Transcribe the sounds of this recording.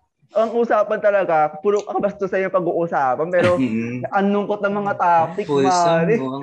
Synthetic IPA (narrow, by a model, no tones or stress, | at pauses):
ʔɐŋuːsaːpɐnt̪ɐlɐɡapuːɾokɐɐbɐst̪osɐjʊŋpɐɡuːʔʊsaːpɐnpɛːɾoʔɐnlʊŋkot̪̚nɐŋmɐŋat̪aːt̪ɪkʊmaɾɪ